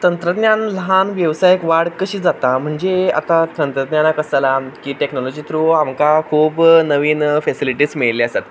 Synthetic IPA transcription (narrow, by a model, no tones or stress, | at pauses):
t̪ənt̪ɾəd̪njanləɦanʋjəʋsajəkʋaɽkəɕiːd͡zat̪am̤əɳd͡zea̰t̪at̪ənt̪ɾəd̪njanakəsalakiːʈeknɔlɔd͡ʑit̪ɾuamkakʰuːbnəʋiːnfɛsiliʈiːsmiɭliəsat̪